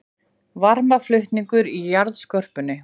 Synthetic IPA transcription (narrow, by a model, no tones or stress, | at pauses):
vaɾmaflʏht̪niŋkʏɾijaɾðskœr̥pʏnːɪ